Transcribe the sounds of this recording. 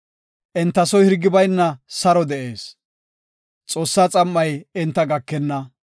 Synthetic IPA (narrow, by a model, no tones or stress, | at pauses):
ʔɛnt̪ːɐsɔjhɪɾɡɪbɐjnːɐsɐɾɔd̪ɛʔeːs | t͡sʼo̞ːsːaːt͡sʼɐmːɐjɪnt̪ːɐɡɐkːɛnːɐ